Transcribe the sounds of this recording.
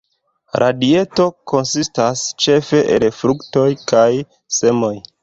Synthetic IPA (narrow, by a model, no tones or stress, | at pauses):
ɾʔadie̞to̞ko̞nsistast͡ʃe̞fe̞ʔelfɾukto̞jkaj | se̞mo̞j